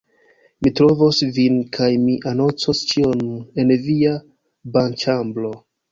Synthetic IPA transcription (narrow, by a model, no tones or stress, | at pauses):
mitɾo̞vosvinkʰajmiʔano̞nt͡sost͡ʃio̞ne̞nvia | bant͡ʃamblo̞